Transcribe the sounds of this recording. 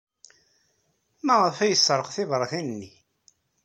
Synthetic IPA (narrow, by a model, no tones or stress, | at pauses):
mæʁəfæjəsˤːɾˤəqθɪvɾˤɑθinnːi